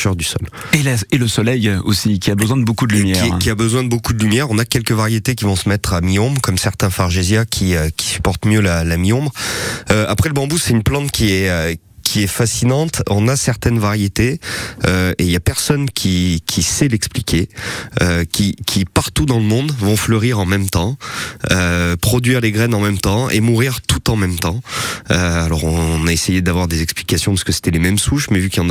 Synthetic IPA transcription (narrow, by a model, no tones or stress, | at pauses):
ʃœʁd̪ysɔ̰l | elaeləsɔlɛjosikʲiabəzwɛ̃d̪əbokud̪əlymjɛikʲiabəzwɛ̃d̪əbokud̪əlymjɛʁɔ̃nakʲɛlkəvaʁjet̪ek̬ʲivɔ̃səmɛt̪χamijɔ̃bʁkɔmsɛʁt̪ɛ̃faʁʒezjakʲʰiøkʲi̥sy̥pɔʁt̪mjølalamijɔ̃bʁøapχɛləbɑ̃busɛynplɑ̃t̪kʲiɛø | kʲʰiɛfasinɑ̃t̪ɔ̃nasɛʁt̪ɛnvaʁjet̪eøeiljapɛʁsɔnkʲʰikʲʰisɛlɛksplikʲʰeøkʲikʲʰipaʁt̪ud̪ɑ̃ləmɔ̃d̪vɔ̃fləʁiʁɑ̃mɛmt̪ɑ̃øpχɔd̪ɥiʁleɡʁɛnɑ̃mɛmt̪ɑ̃ʔḛmuʁiʁt̪ut̪ɑ̃mɛmt̪ɑ̃øalɔʁɔ̃naesejed̪avwaʁd̪ezɛksplikasjɔ̃paʁskəse̥t̪ɛlemɛmsuʃmɛvykiɑ̃n